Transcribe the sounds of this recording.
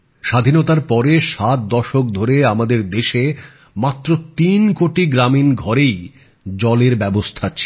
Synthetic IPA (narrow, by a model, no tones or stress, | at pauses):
ʃad̪ʱinot̪aɾpɔɾeʃat̪̚d̪ɔʃok̚d̪ʱoɾeamad̪eɾd̪eʃe | mat̪ːɾot̪inkoʈiɡɾaminɡʱɔɾej | d͡ʑɔleɾbɛbost̪ʰat͡ɕʰi